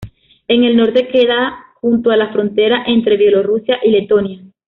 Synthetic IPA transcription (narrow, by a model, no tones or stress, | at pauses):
e̞ŋe̞lno̞ɾt̪e̞ke̞ðaxunt̪oalasfɾo̞nt̪e̞ɾaʔe̞nt̪ɾe̞βje̞lo̞rusjaʔile̞t̪o̞nja